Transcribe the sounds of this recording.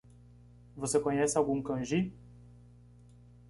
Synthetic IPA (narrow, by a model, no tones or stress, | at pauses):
vosekõɲɛsɪawɡũkɐ̃ʒi